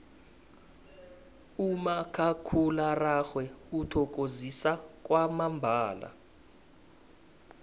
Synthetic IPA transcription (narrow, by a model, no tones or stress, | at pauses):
umakʰakʰularaxwɛutʰɔk̬ʼozisak̬ʼwamambʱaːla̰